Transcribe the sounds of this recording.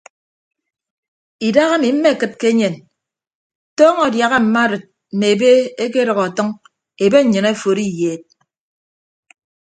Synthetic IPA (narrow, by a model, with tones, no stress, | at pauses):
i˨da˦ɣa˦mi˨m̩˦me˦˨kɨ˦t̚ke˦ɲe˨n | tɔː˦ŋɔ˨dja˨ɣa˦m̩˨ma˦ɾɨ˨t̚ | m̩˨me˨e˨be˦e˦k̬e˦ɾʌ˨ɣɔ˨tʌ˦ŋ | e˨be˦ɲ̩˨ɲɨ˨ne˦˨fo˨ɾi˦jeː˨t̚